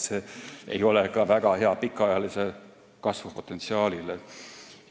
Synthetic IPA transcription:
seḛjo̞lekɑvæɡ̥ɑheɑpikːˑɑjɑlise | kɑsvupo̞t̪ːˑet̪siɑːlile

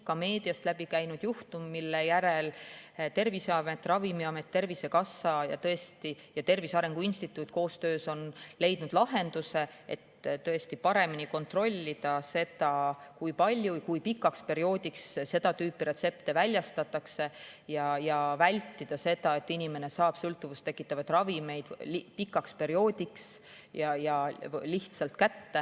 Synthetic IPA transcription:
kɑme̞ːd̪̥iɑst̪læb̥ikæjnud̪̥juht̪umːilːejæɾe̞lt̪e̞rviseɑmet̪ːˑrɑvimiɑmet̪ːe̞rvise̞kɑsːɑjɑ̰t̪ɤ̞e̞st̪i | jɑt̪e̞rvisɑɾe̞ŋɡ̥uinst̪it̪ːˑut̪ːˑko̞ːst̪øːso̞nle̞jd̪̥nud̪̥lɑɦe̞nd̪̥use̞ḛt̪ːt̪ːɤ̞e̞st̪ipɑɾe̞miniko̞nt̪ro̞lʲːid̪̥ɑse̞t̪ɑkujpɑlʲjukujpikːˑɑkspe̞ɾio̞ːd̪̥ʲiksse̞d̪̥ɑt̪yːpːˑiɾe̞t̪se̞pt̪e̞vælʲjɑst̪ɑt̪ːˑɑkse̞jɑjɑvælʲt̪ːid̪̥ɑse̞d̪̥ɑe̞t̪ːinime̞ne̞sɑːb̥sɤlt̪ˑːuvust̪ːe̞kːˑit̪ːˑɑvɑd̪̥rɑvime̞jd̪̥lipikːˑɑkspe̞ɾio̞ːd̪iks | jɑjɑliht̪sɑlt̪kæt̪ːe

